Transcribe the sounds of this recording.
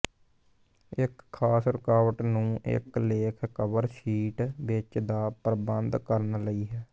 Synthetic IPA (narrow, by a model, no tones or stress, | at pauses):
ɪkʰːaːsɾɪkaːʋəʈnũːʔɪ̰kleːkʰkəʋəɾʃiːʈʋɪt͡ʃd̪aːpəɾbənd̪kəɾnləiːɦɛː